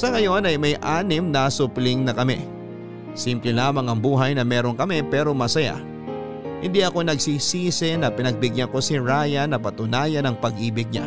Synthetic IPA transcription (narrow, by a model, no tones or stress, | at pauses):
sɐŋɐjo̞nɐjmɐjʔaːnɪmnɐsʊplɪŋnɐkɐmɛ̰ | simplɛlaːmɐŋɐŋbuːɦɐjnɐmɛːɾoŋkɐmɛpɛːɾo̞mɐsɐja̰ | hɪnd̪iɐko̞nɐɡsisiːsɪnɐpɪnɐɡ̚bɪɡjɐŋko̞sɪɾaːjɐnɐpɐt̪ʊnaːjɐnɐŋpɐɡʔiːbɪɡ̚ɲa̰